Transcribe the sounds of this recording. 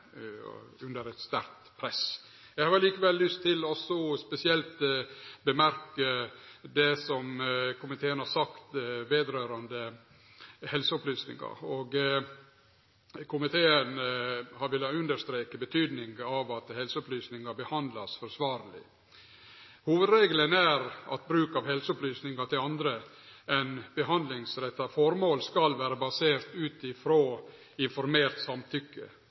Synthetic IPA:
ʉnd̪əɾɛt̪st̪æɾt̪pʰɾɛs | jɛɪhɑːɾliːkəʋɛlːʏst̪ʰːɪlːɔsɔspɛsɪɛlt̪bəmæɾkəd̪ɛsɔmkʰʊmɪt̪ʰeːənhɑɾsɑkt̪ʋeːd̪ɾøːɾɑnd̪ə | hɛlsəɔplyːsnɪ̰ŋɑ̰ɔɡ | kʰʊmɪt̪ʰeːənhɑɾʋɪlːɑʉnd̪əɾʂt̪ɾeːkəbət̪ʰyːd̪nɪŋɡɑʋɑt̪hɛlsəɔplyːsnɪŋɑbəhɑnd̪lɑsfɔɾsʋɑːɾlɪ̰ | huːʋəd̪ɾeːɡlənæɾɑ̰t̪̚bɾʉːkɑʋhɛlsəɔplyːsnɪŋɑʈ̪ʰɪlɑnd̪ɾə | ɛnbəɦɑnd̪lɪŋsɾɛt̪ːɑfɔɾmoːlskɑlʋæːɾəbɑseːɾt̪ʉːt̪ɪfɾoː | ɪnfɔɾmeːɾt̪sɑmt̪ʰʏkːə̰

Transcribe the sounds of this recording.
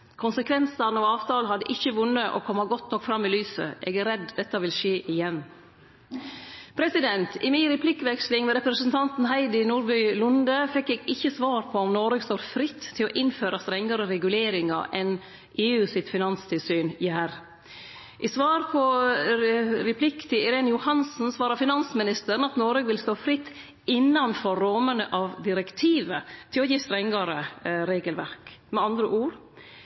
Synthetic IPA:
kʰʊnsəkʰʋɛnsɑnɔɑːʋt̪ʰɑːlɦɑd̪ːəʔɪçːəʋʊnːəʔɔ̰kʰɔmːɑɡɔt̪nɔkfɾɑmːɪlyːsə̰ʔɛ̰ːɡæɾɛd̪d̪ɛt̪ːɑʋɪlʃeːʔɪjɛnː | pʰɾɛsɪd̪ɛnt̪ɪminɾɛpʰlɪkʋɛkslɪŋmɛɾɛpɾəsənt̪ʰɑnt̪n̩ɦæɪd̪ɪnuːɾbœʏlʊnd̪əfɛkːeːɡɪçːəsʋɑːɾpʰɔɔmnɔɾəɡst̪oːɾfɾɪt̪ʰːɪlɔːʔɪnføːɾʔɑst̪ɾɛŋːɑɾəɾɛɡʉleːɾɪŋɑ̰ʔɛn | ʔeːʉːsɪt̪fɪnɑnst̪ʰɪlsyːnjæɾ | ʔɪsʋɑːɾpʰɔ | ɾɛpʰlɪkt̪ʰɪɪɾeːnəjʊhɑnsn̩sʋɑːɾɑfɪnɑnsmɪnɪst̪əɾnɑt̪nɔɾøːɡʋɪlst̪oːfɾɪt̪ː | ɪnːɑnfɔɾːɔmənəʔɑʋd̪ɪɾɛkt̪ʰiːʋət̪ʰɪlɔjiːst̪ɾɛŋːɑɾəɾeːɡəlʋæ̰ɾkmɛɑnd̪ɾəʔuːɾ

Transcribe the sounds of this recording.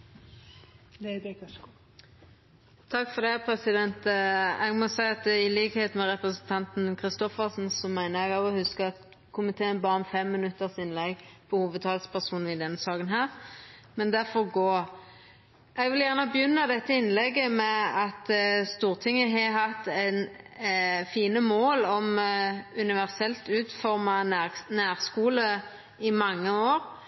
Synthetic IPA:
t̪ʰɑkːfɔd̪ɛpʰɾɛsɪd̪ɛnt̪ɛɡmɔsæɪɑt̪ɪliːkəheːt̪mɛʁɛpɾəsənt̪ʰɑnt̪n̩kʰʁɪst̪ɔfəʁsn̩sɔmæɪnəʁɛɡɑʋɔhʉskəɑt̪ | kʰʊmɪt̪ʰeːənbɑːɾmfɛmːɪnʉt̪ːəʁsɪnlɛɡpʰɔhuːʋəd̪̚t̪ʰɑːlspʰæʁsuːn̩ɪd̪ɛnsɑːɡənɦæːʁmɛnd̪æfɔɾɡoː | ɛɡʋɪljæʁnəbəjʏnːɑd̪ɛt̪ːəɪnlɛɡːəmɛɑt̪st̪uːʁt̪ʰɪŋːəɦɛɦɑt̪ːɛn | fiːnəmoːlɔmʉnɪʋæʁsɛlt̪ʉːt̪fɔɾmɑnæːʁskuːlə | ɪmɑŋːəoːɾ

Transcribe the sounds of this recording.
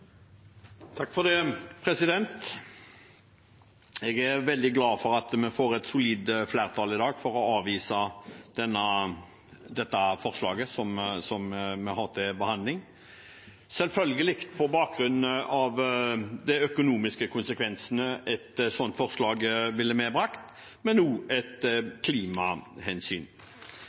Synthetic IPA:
t̪ʰɑkːfɔd̪ɛpʰɾɛsɪd̪ɛnt̪ | ɛːɡæʁʋɛld̪ɪɡlɑːfɔʁɑt̪mɛfoːɾɛt̪sʊliːd̪flæːʁt̪ʰɑːlɪd̪ɑːɡfɔʁɔɑːʋiːsɑd̪̥ɛnːə | d̪ɛt̪ːɑfɔʁslɑːɡəsɔmsɔmmɛhɑʁt̪ʰɪbəhɑnd̪lɪŋ | sɛlfœlɡəlɪkt̪pʰɔbɑːk̚ɾʉnːɑʋd̪ɛœkʊnuːmɪskəkʰʊnsəkʰʋɛnsənəʔɛt̪sɔnt̪fɔʁʂlɑːɡʋɪlːəmɛːbɾɑkt̪ | mɛnːuːɛt̪kʰliːmɑhɛnsy̰ːn

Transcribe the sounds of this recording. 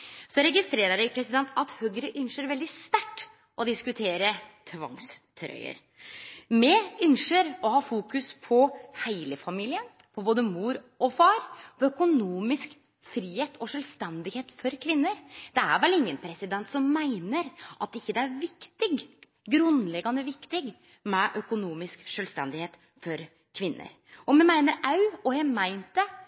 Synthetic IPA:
sɔɾɛɡɪst̪ɾeːɾəɖæɪpʰɾɛsɪd̪ɛnt̪ʰɑt̪høːɡɾəʔʏnʂəɾʋɛld̪ɪst̪æʈː | ʔɔd̪ɪskʉt̪ʰeːɾət̪ʰʋɑ̰ŋst̪ʰɾœ̰ʏə̰ɾ | mɛʏnʂəɾɔhɑːfuːkʉspʰɔhæɪləfɑmiːlɪən | pʰɔboːd̪əmuːɾ | ɔfɑːɾpʰɔœkʊnuːmɪsk | fɾiːheːt̪ɔʂœlst̪ɛnd̪ɪheːt̪fɔɾkʰʋɪnːəɾd̪̥ɛæ̰ɾʋɛlɪŋːənpʰɾɛsɪd̪ɛnt̪sɔmːæɪnəɾʔɑt̪̚ɪçːəd̪ɛæɾʋɪkt̪ɪɡ | ɡɾʉnlɛɡːɑnəʋɪkt̪ɪɡ | mɛʔœkʊnuːmɪskʂœlst̪ɛ̰nd̪ɪheːt̪ | fɔɾ | kʰʋɪnːə̰ɾ | ɔmɛmæɪnəɾɑʉɔjæmæɪnt̪̚d̪ɛ

